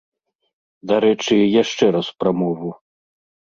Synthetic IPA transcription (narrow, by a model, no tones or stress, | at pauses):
d̪aɾɛt͡ʂɨjaʂt͡ʂɛɾaspɾamɔvu